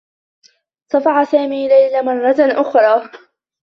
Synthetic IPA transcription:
t̪ˤɑfɑʕasaːmiːlajlamɑrˤːɑʔʊxɾˤɑː

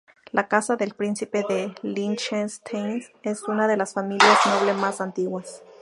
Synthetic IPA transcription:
lakasaðelpɾinsipeðelint͡ʃest̪ʰensesunaðelasfamiljasnoβlemasant̪iɣwas

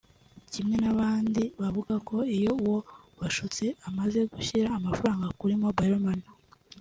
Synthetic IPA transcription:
cimŋe̞naβaːndiβavuɡako̞ijo̞uwo̞ | βaʃut͡se̞amaze̞ɡuçiɾaːmafaɾaːŋɡakuɾimo̞baɾomana

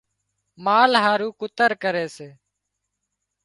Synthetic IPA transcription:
maːlɦaːɾuːkʊt̪əɾkəɾeːseː

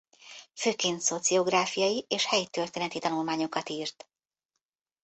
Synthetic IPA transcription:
føːkeːnt̪so̞t̪sio̞ɡraːfijɒjiʔeːʃhɛjt̪ørt̪eːnɛt̪it̪ɒnulmaːɲo̞kɒt̪iːrt̪

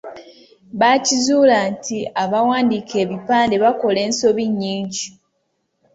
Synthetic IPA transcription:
βacizuːlantiaβawaːndikʰe̞ːβipaːnde̞βako̞le̞ːnso̞βiɲːiːɲɟi

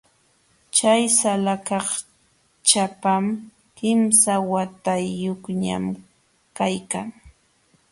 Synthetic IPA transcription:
t͡ʃajsalakɑχ | t͡ʃapam | kɪmsawat̪ajːoχɲa̰m | kajkaŋ

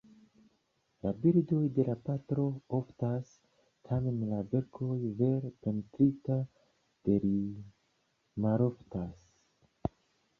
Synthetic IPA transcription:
labiɾdo̞jde̞lapatɾo̞oftas | tʰame̞nlave̞ɾkʰo̞jve̞ɾpe̞ntɾita | d̥e̞ɾi | maɾo̞ftas

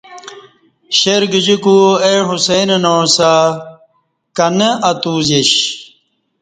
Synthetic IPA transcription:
ɕeɾɡid͡ʑikueɦusenɐnoːsa | kɐnɐʔɐt̪uːzeɕ

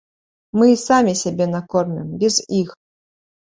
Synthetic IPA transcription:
mɨisamʲisʲɛbʲenakormʲɪmbʲɛzix

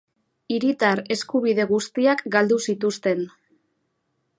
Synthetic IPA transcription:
iɾit̪aɾe̞skuβ̞iðe̞ɣ̞ust̪iakɡald̪usit̪ust̪e̞n

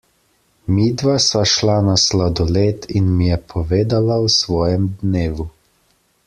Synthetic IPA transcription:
miːd̪ʋasaʃlanaslad̪ɔleːt̪inmijɛpʰɔʋeːd̪alawsʋɔːjɛmd̪neːʋu

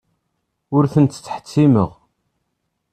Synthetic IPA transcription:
ʊɾθənt̪t͡sːħə̥t͡sːiməʁ

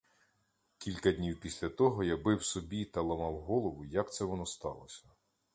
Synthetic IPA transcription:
kʲilʲkɐd̪ʲnʲiwpʲisʲlʲɐt̪ɔɦɔjabɪwsɔbʲit̪ɐlˠɐmɑwɦɔlˠɔʋʊjɐkt̪sɛʋɔnɔst̪ɑlˠɔsʲɐ̥

